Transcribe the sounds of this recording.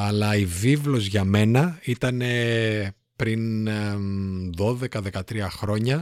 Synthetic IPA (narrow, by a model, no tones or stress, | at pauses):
ɐlɐivivlo̞zʝɐme̞nɐit̪ɐne̞ | pɾin | ðo̞ðe̞kɐðe̞kɐt̪ɾiɐxɾo̞ɲɐ